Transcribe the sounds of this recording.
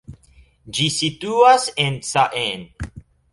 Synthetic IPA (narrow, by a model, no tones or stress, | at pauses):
d͡ʒisit̪uasẽnsaʔẽn